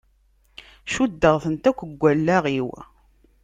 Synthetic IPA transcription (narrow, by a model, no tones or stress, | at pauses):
ʃud̪ːəʁθənt̪ækʷːəɡʷːælːæʁiw